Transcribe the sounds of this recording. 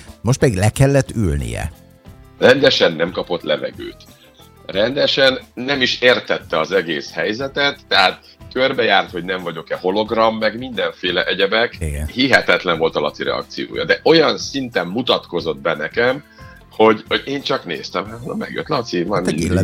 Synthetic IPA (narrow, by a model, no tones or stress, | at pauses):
mo̞ʃt̪pɛd̪iɡlɛkɛlːɛt̪ːylnḭjɛ̰ | rɛnd̪ɛʃɛnːɛmkɒpo̞t̪lɛvɛ̰ɡø̰ːt̪ | rɛnd̪ɛʃɛnːɛmiʃeːrt̪ɛt̪ːɛɒzɛɡeːshɛjzɛt̪ɛt̪ːɛɦaːt̪ | kørbɛjaːrt̪ho̞ɟnɛɱvɒɟo̞kɛho̞lo̞ɡrɒmːɛɡmind̪ɛɱfeːlɛʔɛɟɛbɛkiɡɛnhiɦɛt̪ɛt̪lɛɱvo̞lt̪ɒlɒ̰t̪siɾɛ̰ɒ̰kt̪sijo̰ːjɒ̰d̪ɛʔo̞jɒnsint̪ɛmːut̪ɒt̪ko̞zo̞d̪̚bɛnɛkɛm | ho̞ɟhoɟeːnt͡ʃɒknḛːst̪ɛmhat̪honɒmɛ̰ɡjø̰t̪lɒt̪sivɒ